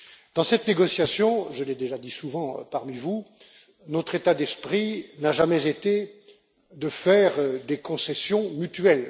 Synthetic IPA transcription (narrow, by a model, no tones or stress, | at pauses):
d̪̥ɑ̃sɛt̪neɡɔsjasjɔ̃ʒəled̪eʒad̪isuvɑ̰̃paʁmivu | nɔt̪χet̪ad̪ɛspχinaʒamɛzet̪e | d̪əfɛʁd̪ekɔ̃sɛsjɔ̃myt̪ɥɛl